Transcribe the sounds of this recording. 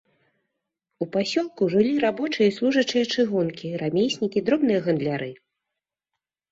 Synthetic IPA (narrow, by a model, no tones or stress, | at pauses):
upasʲɔlˠkuʐɨlʲiɾabɔt͡ʂɨjɐslˠuʐɐt͡ʂɨjɐt͡ʂɨɣɔnkʲiɾamʲejsʲnʲikʲid̪ɾɔbn̪ɨjɐɣɐnd̪lʲaɾɨ